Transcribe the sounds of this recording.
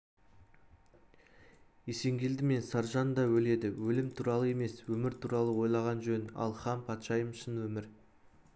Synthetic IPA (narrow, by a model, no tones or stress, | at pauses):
ese̞ŋɡʲe̞ld̪ɪme̞nsɑɾʒɑnd̪ɑwɵle̞d̪ɪwɵlɪmt̪ʰuɾɑlˠəe̞me̞swɵmɪɾt̪ʰuɾɑlˠəwo̞jlˠɑʁɑnʒɵnɑ̰lˠχɑmpʰɑt̪ʃɑjəmʃənwɵmɪɾ